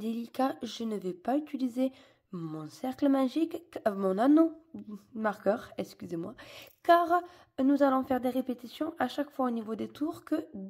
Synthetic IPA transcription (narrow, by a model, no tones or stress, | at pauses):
d̪elikaʒənəvɛpayt̪ilize | mɔ̃sɛʁkləmaʒikmɔ̃nano | maʁkœʁɛkskʲyzemwakaʁ | nuzalɔ̃fɛʁd̪eʁepet̪isjɔ̃ʔaʃakfwaonivod̪et̪uʁkə